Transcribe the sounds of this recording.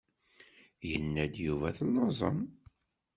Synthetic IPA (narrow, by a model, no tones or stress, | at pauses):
jənːæd̪juvæθlːɑzˤə̰m